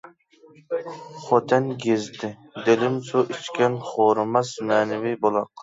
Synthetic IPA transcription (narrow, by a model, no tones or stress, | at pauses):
χot̪ʰɛnɡʲezd̪ɪ | d̪elɪmsoʔit͡ʃkʲɛnχoɾɨmɑsmæːnɪvɪbolˠɑq